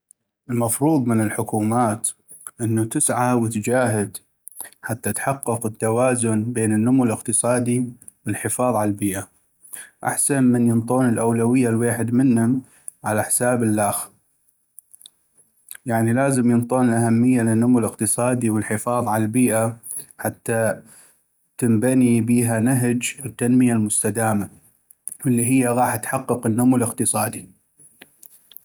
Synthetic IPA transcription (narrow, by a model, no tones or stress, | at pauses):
ʔɪlmɑfɾˤuːðˤmɪnɪlħʊkuːmaːt̪ | ʔɪnːut̪ɪsʕawɪt̪d͡ʒaːɦɪd̪ | ħat̪ːat̪ħɑqːʊqət̪ːawaːzʊnbeːnɪnːʊmʊləqt̪ɨsˤɑːd̪i | wɪlħɪfɑːðˤʕalalbiːʔa | ʔa̰ħsanmɪnjənt̪ˤoːnɪlʔawlawɪjːalweːħɪd̪mɪnhʊm | ʕalaħsaːbɪlːaːx | jaʕnilaːzəmjənt̪ˤoːnlʔahamːɪjːalɪnːʊmulɪqt̪ɨsˤɑːd̪iwəlħɪfɑːðˤʕalalbiːʔa | ħat̪ːa | t̪ɪmbanibiːɦanaɦd͡ʒɪt̪ːanmɪjalmʊst̪ad̪aːma | wɪlːiɦɪjːaɣɑːħt̪ħɑqːɨqənːʊmulɪqt̪ɨsˤɑːd̪i